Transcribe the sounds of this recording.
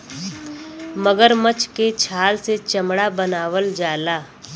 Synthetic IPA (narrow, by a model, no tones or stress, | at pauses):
məɡəɾmət͡ʃket͡ʃʰaːlset͡ʃəmɽabənaːʋəld͡ʒaːlaː